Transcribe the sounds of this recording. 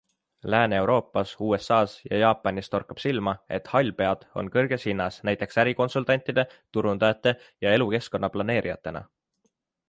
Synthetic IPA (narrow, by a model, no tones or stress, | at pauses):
læːne̞wɾo̞ːpːˑɑsuːe̞sɑːsjɑ̰jɑːpːˑɑnʲist̪o̞rkːˑɑb̥silmɑe̞̰t̪hɑlʲpe̞ɑd̪̥o̞̰nkɤrɡ̥e̞shinːɑsnæjt̪ːˑe̞ksæɾiko̞nsult̪ɑnʲt̪ˑid̪̥e̞t̪uɾund̪ɑɑt̪ːˑe̞ | jɑe̞luke̞sko̞nːɑplɑne̞ːɾʔijɑt̪ːˑe̞nɑ̰